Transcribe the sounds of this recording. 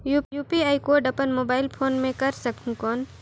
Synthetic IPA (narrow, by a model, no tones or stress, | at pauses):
juːjuːpiaːikoːɾɖɐpənmoːbaːɪlpʰoːnmẽkɐɾsɐkʰũkɔːn